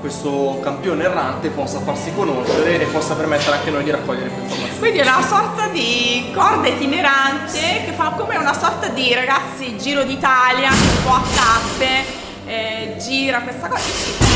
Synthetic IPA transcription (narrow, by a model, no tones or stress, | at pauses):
kwest̪okampjoːneerːant̪epɔsːafarsikonoʃeɾeʔːpːɔsːapermet̪ːeɾeaŋkenojd̪iɾakːɔʎːeɾekweifoɾmakwind̪iɛunasɔrt̪ad̪ikɔrd̪aet̪ineɾant̪ekefːakomeunasɔrt̪ad̪iɾaɡat̪sːid͡ʒiːɾod̪it̪aːljaumpɔat̪ːapːe | ɛ | d͡ʒiːɾakwest̪akɔːzaesi